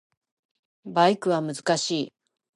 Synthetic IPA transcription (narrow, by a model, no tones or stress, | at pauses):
baikɯ̟βamɯ̟zɨ̥kaɕiː